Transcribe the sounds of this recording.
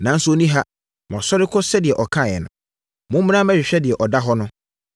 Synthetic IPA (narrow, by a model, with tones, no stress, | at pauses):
nã˨n̩˦sʊ˦o˨˦nĩ˦ɦa˦ | mɔ̃˨sɔ˦ɾɪ˦kʰɔ˦sɛ˦dɪ˨ɛ˨ʔɔ˨kʰã˦˨ɛ̰˨nʊ̰̃˨ | mʊ̃˦m˦mĩ˦ã˦mɛ˦ɕᶣɪ˨ɕᶣɛ˦dɪ˨ɛ˨ʔɔ˨da˦ɦɔ˦nʊ̃˦